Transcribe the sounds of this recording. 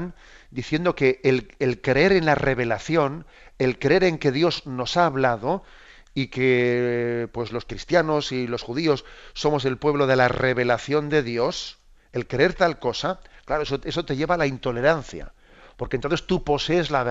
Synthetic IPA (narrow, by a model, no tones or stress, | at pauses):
n | d̪iθje̞nd̪o̞ke̞lːlkɾee̞ɾe̞nlare̞β̞e̞laθjo̞n | e̞lkɾee̞ɾe̞ŋke̞ðjo̞zno̞saːβlaðo̞ | ike | pwe̞zlo̞skɾist̪jano̞silo̞sxuðio̞sːo̞mo̞s̬e̞lpwe̞β̞lo̞ð̞e̞lare̞βe̞laθjo̞nd̪e̞ðjo̞s | elkɾee̞ɾt̪alko̞saklaɾoesoe̞sot̪e̞ʝe̞βalaint̪o̞le̞ɾanθja̰ | po̞ɾkent̪onθest̪upo̞se̞ːzlaβe